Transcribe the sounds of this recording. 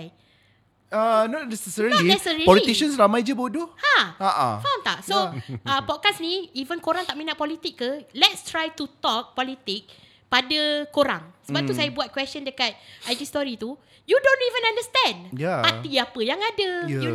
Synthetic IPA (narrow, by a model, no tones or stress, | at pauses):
anɔt̚nɛsɛsɛɹənlinɛsəɹipɔlit̪iʃənsɾamajd͡ʒəboduhãaʔa̰fãwnt̪aʔsoapɔt̪̚kasniivənkoɾaŋt̪aʔ̚mĩnaʔpɔlit̪ɪkːəlɛtst̪ɹajt̪ut̪ɔk̚pɔlit̪ɪk̚ | padəkoɾãŋsəbap̚t̪usajabuat̪̚kwɛst͡ʃə̃ndəkat̪̚ajd͡ʒist̪ɔɾit̪u | judõnivə̃nãndəst̪ɛ̃ndjapat̪iapəjaŋadəu